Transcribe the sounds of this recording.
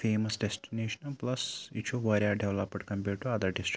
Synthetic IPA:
fʰeːmɐsɖesʈineːʃɐnplɐsit͡ʃuʋɐɾiaːɖɛʋlɐpɖkɐmpjuːʈːuɐd̪ɐɖisʈ

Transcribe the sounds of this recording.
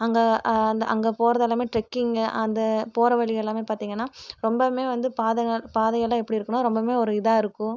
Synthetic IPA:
ɐŋɡɐɐnd̪ɐʔɐ̰ŋɡɐpoːɾɐðɛlːaːmeːʈɾɛkːiŋɡɐʔɐnd̪ɐpoːɾɐʋɐɭɪɣɐlːaːmeːpaːɾt̪iːŋɡɐnːaːɾɔmbɐmeːʋɐnd̪ɯpaːðɐɡɐɭpaːðɐɣɐlːãːɛpːɐɽiɪɾɯkːɐɳõɾɔmbɐmeːɔɾɯɪðaːɪɾɯkːʊ̃

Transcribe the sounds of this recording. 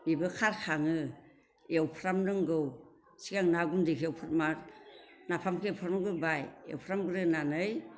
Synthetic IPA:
bibɯkʰaɾkʰaŋɯ | ewpʰɾamnɯŋɡɯw | siɡaŋnaɡundekʰeawpʰɯt̚maɾnapʰamkʰepʰaɾmɡɯbajḛwpʰɾamɡɯɾɯnanɯj

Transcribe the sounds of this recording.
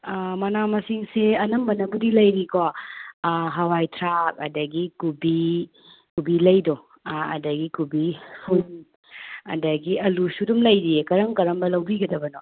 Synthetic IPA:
mɐnamɐsiŋseɐnɐmbɐnɐbudilɐjɾiko | ɦɐwajtʰɾak̚ɐ̰dɐɡikubi | kubilɐjdo | ɐ̰dɐɡikubipʰun | ɐ̰dɐɡiɐlusudumlɐjɾikɐɾɐŋkɐɾɐmbɐlɐwbiɡɐdɐbɐno

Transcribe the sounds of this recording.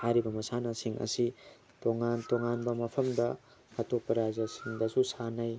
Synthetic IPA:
haɾibɐmɐsanɐsiŋʔɐ̰si | toŋantoŋanbɐmɐpʰɐmdɐː | topːɐɾazɐsiŋdɐsusanɐj

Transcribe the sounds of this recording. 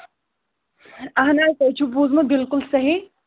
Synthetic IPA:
ɐɦnaːk̪ɐjt͡ʃʰubuːzmɐbɪlkʊlsɐɦi

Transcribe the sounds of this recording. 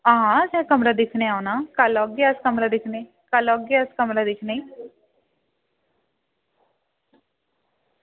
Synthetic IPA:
ɦãsɛ̃ːkəmɾaːd̪ɪkʰneːaːunaːkəlɔːɡeəskəmɾaːd̪ɪkʰneː | kəlɔɡeəskəmɾad̪ɪkʰneː

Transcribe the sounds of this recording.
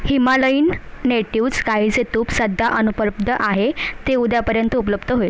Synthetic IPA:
himaləiːnːeʈiwd͡zkaɦiːd͡zet̪uːpsəd̪ʱːaʔənupəb̚d̪ʱəʔaɦet̪eud̪japəɾjənt̪əupələbd̪əɦoe

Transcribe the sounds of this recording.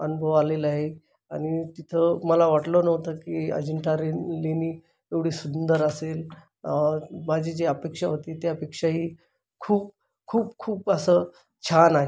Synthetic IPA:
ənubʱəʋalelaɦe | aɽ̃it̪it̪ʰəməlaʋaʈlənəwt̪əkiə̰d͡ʑəɳʈaɾileniː | eʋɽ̤iːsund̪əɾəsel | mad͡ʑiːd͡ʑeəpekʂaɦot̪iːt̪eapekʂaɦiː | kʰuːp̚ | kʰuːpkʰuːpəsə | t͡ɕʰanaɦe

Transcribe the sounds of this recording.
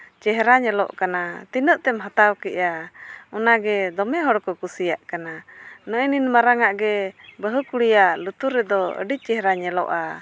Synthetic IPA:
t͡ʃɛɦɾaɲɛlɔ̰ʔkanat̪inəʔt̪ɛmɦət̪awkɛʔaɔnaɡɛd̪ɔmɛɦɔɽkɔkusijaʔkananɔʔɛninmaɾaŋaʔɡɛbəɦəkuɽijaʔlut̪uɾːɛd̪ɔə̰ɖic̚t͡ʃɛɦɾaɲɛlɔ̰ʔa

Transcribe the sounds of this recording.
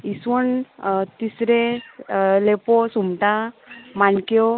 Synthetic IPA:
isəɳt̪isɾẽ | leposumʈãmankjo

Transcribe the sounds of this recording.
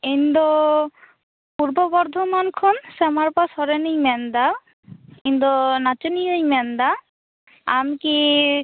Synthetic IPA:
ind̪o | puɾbɔbɔɾd̪ʱomankʰonsɛmaɾpasɔɾenijmɛnd̪a | ind̪ɔnat͡ʃenijojmɛnd̪a | amki

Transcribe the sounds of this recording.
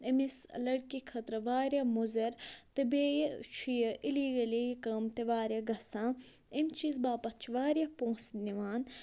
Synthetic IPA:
emislɐɽkikʰɐt̪ɾɐʋaːɾʲjamuzɐɾt̪ebeːjt͡ʃʰijɐʔiliːɡɐlijkɐmt̪eʋaːɾʲjaɡʱɐsãː | emt͡ʃizbaːpɐt͡ʃʰiʋaːɾʲjapõːsniʋaːn

